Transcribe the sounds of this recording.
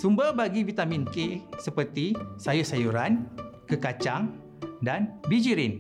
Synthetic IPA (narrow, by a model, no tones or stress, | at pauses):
sumbəbaɡivit̪amĩnkesəpərt̪isajʊsajuɾankəkat͡ʃaŋ | danbid͡ʒiɾɪn